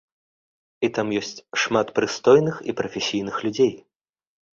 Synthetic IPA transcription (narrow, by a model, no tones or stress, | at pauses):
it̪amjɔsʲt͡sʲʂmat̪pɾɨst̪ɔjnɨxḭpɾɐfʲɛsʲijnɨxlʲud͡zʲej